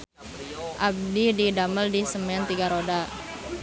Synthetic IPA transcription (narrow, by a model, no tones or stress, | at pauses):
ʔab̚dididaməldisəmant̪iɡaɾoda